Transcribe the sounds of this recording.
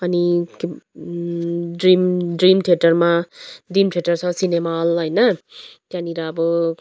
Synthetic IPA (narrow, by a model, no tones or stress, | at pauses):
ʌnik | drimɖrimʈʰjeʈʌrmadimʈʰijeʈʌrt͡sʰʌ̃sinemalɦʌjnʌt̪jãniɾaːbʌ